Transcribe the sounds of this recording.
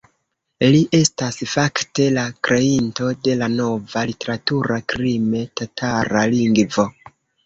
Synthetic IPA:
liʔe̞stasfakte̞lakɾe̞into̞de̞lano̞valite̞ɾatuɾakɾime̞tatʰaɾaliŋɡvo̞

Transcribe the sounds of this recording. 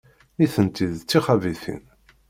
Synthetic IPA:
niθənt̪iðt͡sːiχæviθḭn

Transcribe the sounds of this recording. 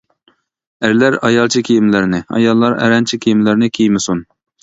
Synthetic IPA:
æɾlæɾɑjɑlˠt͡ʃʰikʲʰejimlɪɾnɪɑ̰jɑlˠːɑɾɛ̰ɾɛnt͡ʃʰikʲʰijimlɪɾnɪkʲʰejmɪsun

